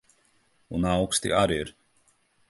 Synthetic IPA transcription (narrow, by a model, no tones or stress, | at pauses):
unawkst̪ḭʔaɾiɾ